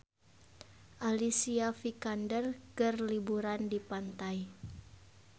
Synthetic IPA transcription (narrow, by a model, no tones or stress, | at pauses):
ʔalisiafikandərkərlibuɾandipant̪aj